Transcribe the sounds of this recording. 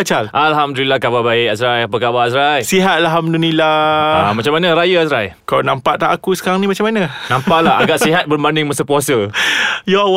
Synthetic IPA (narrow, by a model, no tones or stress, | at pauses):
at͡ʃalʔalɦamd̪ulilakababaɪʔasɾajapəkabaasɾajsiɦat̪̚alɦamdulilaamat͡ʃamːanəɾajəasɾajkalanampaʔt̪aʔakusəkaɾaŋnimat͡ʃamanãnãmpaʔlahaɡaʔsiɦat̪̚bərbandɪŋməsəpuasəjɔ